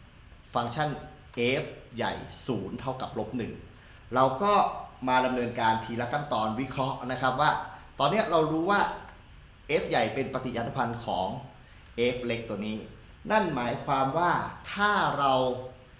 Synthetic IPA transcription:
fa˧ŋt͡ɕʰa˥˩n | ʔeː˦˥f̚ja̰˨˩jsuː˩˦nt̪ʰa˥˩wka˨˩p̚lo˦˥p̚nɯ˨˩ŋ | ɾa˧wkɔː˥˩maː˧da˧mnɤː˧nkaː˧nt̪ʰiː˧˩la˦˥kʰa˥˩nt̪ɔː˧nwi˦˥kʰɾɔ˦˥ʔna˦˥kʰɾa˦˥p̚waː˥˩t̪ɔː˧nːi˦˥ɐɾa˧wɾuː˦˥waː˥˩ | ʔeː˦˥p̚ja˨˩jpe˧npa˧t̪i˨˩ʔaː˧na˦˥pʰa˧nkʰɔː˩˦ŋ | ʔeː˦˥p̚le˦˥k̚t̪u˧əniː˦˥ | na˥˩nmaː˩˦jkʰwaː˧mwaː˥˩t̪ʰaː˥˩ɾa˧w

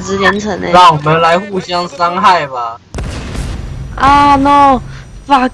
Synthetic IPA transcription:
t͡sɹ̩˧˥ljɛ˧˥nt͡sʰɤ˧˥˦ŋ̰˧ɑ˥˩ŋwɔ˨˩mə˦nla˧˦ɪxu˥˨ɕjɑ˥ŋsɑ˥ŋxa˥˩ɪba˨˩ | a˥˩no˥˩ | fa˨˩k

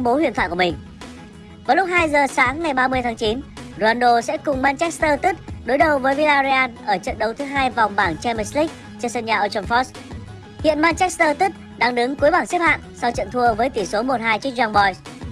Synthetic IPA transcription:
ŋ͡mɓo˨˦wi˧˨nt̪ʰw̰ːjku˧˩˨mï˨˩ŋ̟ | vaː˨˩jlʊ˦˥k͡p̚haː˧jzəː˨˩saː˨˦ŋːa˨˩jɓaː˧mɨ˧əjt̪ʰaː˨˦ŋt͡ɕi˨˦nzo˧aː˧nɗo˧sɛ̰˧˥kʊ˨˩ŋ͡mmaː˧nt͡ɕɛ˦˥k̚st̪əː˧t̪i˦˥t̚ɗo˨˦jɗə˨˩wvəː˨˦jvi˧laː˧zi˧aː˧nʔəː˧˩t͡ɕə̰˧˨nɗə˨˦wt̪ʰɨ˨˦ɦaː˧jva˨˩wŋ͡mɓaː˧˩ŋt͡ɕɛ˧mə˧sli˦˥k̚ | t͡ɕɔ˧sə˧nɲaː˨˩ʔəː˧t͡ɕɔ˧nfɔ˦˥s | hḭ˧˨ənmaː˧nt͡ɕɛ˦˥st̪əː˧t̪i˦˥t̚ | ɗaː˧ŋɗɨ˨˦ŋku˨˦əjɓaː˧˩ŋsi˦˥p̚ha̰ː˧˨ŋsa˧wt͡ɕə̰˧˨nt̪ʰu˧əvəː˨˦jt̪i˧˩so˨˦mo˨˩t̚haː˧jt͡ɕək̚zɔ˧ŋɓɔ˧js

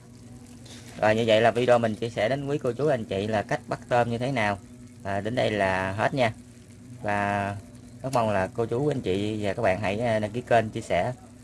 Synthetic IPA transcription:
zɔ̰ː˨˩jɲɨ˧və̰˧˨jlaː˨˩vi˧ɗo˧mï˨˩ŋ̟t͡ɕi˧əsɛ̰˧˩ɗe˨˦nkwi˨˦ko˧t͡ɕu˨˦ʔa˧jŋ̟t͡ɕḭ˧˨laː˨˩ka˦˥jk̚ɓa˦˥k̚t̪əː˧mɲɨ˧t̪ʰe˨˦naː˨˩w | ʔːɗe˨˦nɗə˧jlaː˨˩ɦe˦˥t̚ɲaː˧ | vaː˨˩ | ka˦˥k̚ma˧wŋ͡mlaː˨˩ko˧t͡ɕu˨˦ʔa˧nt͡ɕḭ˧˨vaː˨˩kaː˦˥k̚ɓa̰ː˧˨nɦa̰˧˩jɗa˧ki˨˦əke˧nt͡ɕi˧əsɛ˧˩

